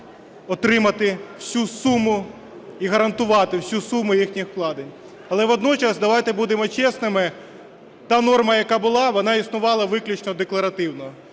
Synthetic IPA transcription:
ɔt̪ɾɪmɐt̪ɪw̥sʲusumʊ | iɦɐɾɐnt̪ʊʋɑt̪ɪwsʲusumʊjixnʲixklˠɑd̪ɪnʲ | ɐlˠɛʋɔd̪nɔt͡ʃɐsd̪ɐʋɑjt̪ɛbud̪emɔt͡ʃɛsnɪmɪ | t̪ɑnɔrmɐjɐkɑbʊlˠɑʋɔnɑisnʊʋɑlˠɐʋɪklʲit͡ʃnɔd̪eklˠɐɾɐt̪ɪwnɔ

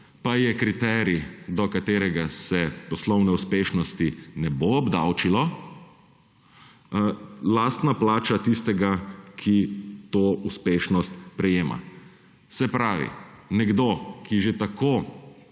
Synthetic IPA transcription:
pajɛkɾit̪ɛɾid̪ɔkat̪eːɾɛɡasɛpɔslɔwnɛuspeːʃnɔst̪inɛboɔbd̪a̰wt͡ʃilɔ | laːst̪naplaːt͡ʃat̪ist̪ɛɡakʰit̪oːuspeːʃnɔst̪pɾɛjeːma̰ | sɛpɾaːʋḭnɛɡd̪okiʒet̪ako

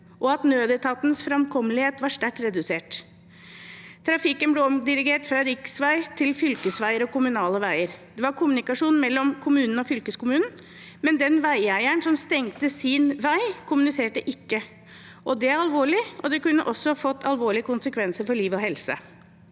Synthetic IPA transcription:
ʔɔɑt̪nøːd̪ɛt̪ʰɑt̪nəsfɾɑmkʰɔmːəlɪheːt̪ʋɑʂt̪æʈːɾɛd̪ʉseːʈ | t̪ʰːɾɑfɪkənblɛɔmd̪ɪɾɪɡeːʈfɾɑɾɪksʋæɪt̪ʰɪlfʏlkəsʋæɪəɾɔkʊmʉnɑːləʋæɪəɾd̪̥ɛʋɑɾkʰʊmʉnɪkɑʂuːnn̩mɛlːɔmkʰʊmʉːnn̩ɔfʏlkəskʊmʉːnn̩ | mɛnd̪ɛnʋæɪæɪæɳsɔmst̪ɛŋt̪əsɪnʋæɪkʰʊmʉnɪseːʈəʔɪkːə | ʔɔd̪ɛæɾɑlʋoːɭɪɔd̪ɛkʉnːəʔɔsːɔhɑfɔt̪ːɑlʋoːɭɪəkʰʊnsəkʰʋɛnsəɾfɔɭiːʋɔɦhɛlsə̰

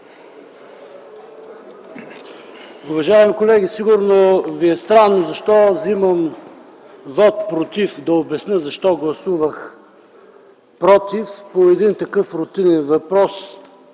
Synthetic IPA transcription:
ʊvɐʒaɛmikolɛɡʲisiɡʊɾnoviɛst̪ɾanːozɐʃt̪ɔziməm | vɔt̪pɾot̪ifd̪ɐobɛsnəzɐʃt̪ɔɡlˠɐsuvəx | pɾɔt̪ifpoɛd̪int̪ɐkɤfɾʊt̪inɛnvɐpɾɔs

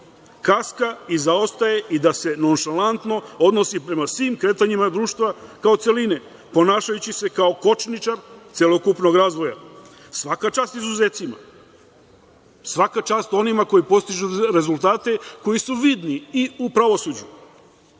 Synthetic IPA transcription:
kaskaizao̞st̪aje̞ʔid̪ase̞no̞nʃalant̪no̞o̞d̪no̞sipɾe̞masʋiːmkɾe̞ːt̪aɲimad̪ɾuːʃt̪ʋakao̞t̪se̞line | po̞naːʃajut͡ɕise̞kaoko̞t͡ʃnit͡ʃaɾt̪selˠo̞kupno̞ɡɾaːzʋo̞ja | sʋakat͡ʃaːst̪izuze̞ːt̪sima̰ | sʋakat͡ʃaːst̪o̞nimako̞jipo̞st̪iʒuɾe̞zulˠt̪aːt̪e̞ko̞jisuʋid̪niiupɾaʋo̞suːd͡ʑu

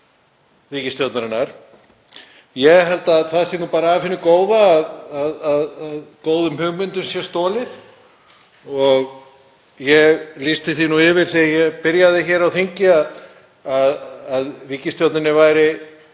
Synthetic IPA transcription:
viːcɪst̪jowt̪naɾɪnːaɾ̥ | jɛɦɛlt̪aθaðsinupaːɾaaːfɪnːʏkoːwðaːðaðaðaðkoːwðʏmhʏɣmʏnt̪ʏmsjɛst̪oːlɪð | ɔɣ | jɛɣlist̪ɪθinuɪvɪɾ̥θiajɛɣpɪɾjaðɪçɛːɾawθeɲcɪað | aðaðviːcɪst̪jowt̪nɪnɪvaːjɾɪ

